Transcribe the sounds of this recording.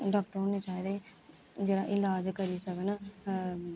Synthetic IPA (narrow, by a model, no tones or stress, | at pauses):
ɖaːk̚ʈɾoːnːeːt͡ʃaːjd̪eː | d͡ʒeːɾaːʔɪlaːd͡ʒkəɾiːsəkən